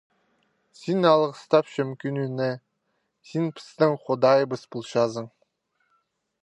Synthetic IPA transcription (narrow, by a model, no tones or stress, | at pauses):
sinɑlˠəqəst̪ɑpʃɵ̆mkʲynynɪ | sinpʰɪ̥st̪ɪŋχʊd̪ɑjbəspʊlˠʃɑzəɴ